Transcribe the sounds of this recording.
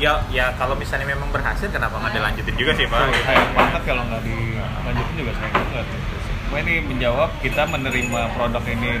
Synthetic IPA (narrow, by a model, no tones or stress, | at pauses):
jajakalowmisalɲamemaŋbərɦasɪlkənapaŋɡadalaɲd͡ʒut̪ɪnd͡ʒuɡasɪhpasajakbaɦət̪̚kaloŋɡaʔdi | laɲd͡ʒut̪ɪnd͡ʒuɡasajakbuŋət̪̚ɡit̪uspainiməɲd͡ʒawap̚kit̪amənəɾimapɾodakini